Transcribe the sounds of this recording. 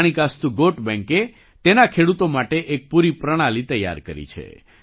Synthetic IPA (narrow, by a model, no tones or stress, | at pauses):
ɽ̃ikast̪uɡoʈbɛ̃ŋke | t̪enakʰeɽut̪omaʈeʔek̚puɾipɾəɽ̃alit̪əjːa̰ɾkəɾḭt͡ʃʰḛ